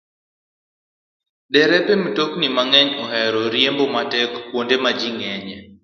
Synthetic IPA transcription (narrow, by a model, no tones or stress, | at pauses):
dɛɾɛpemtoknimaŋɛɲɔhɛɾɔɾjembomatɛkːwondemad͡ʒiŋɛɲɛ